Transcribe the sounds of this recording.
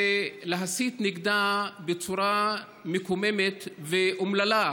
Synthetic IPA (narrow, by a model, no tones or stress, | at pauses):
eleɦasit̪niɡd̪abet͡suɾa | mekomemet̪veʔumlala